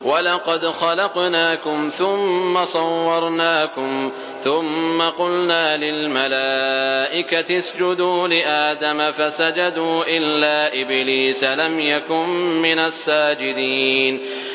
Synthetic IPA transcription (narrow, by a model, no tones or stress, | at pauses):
walɑqɑd̪xɑlɑqnaːkʊmθʊmːasˤɑwːɑɾˤnaːkʊm | θʊmːaqʊlnaːlɪlmalaːʔɪkat̪ɪsd͡ʒʊd̪uːlɪʔaːd̪amafasad͡ʒad̪uːʔɪlːaːʔɪbliːsalamjakʊnmɪnasːaːd͡ʒɪd̪iːn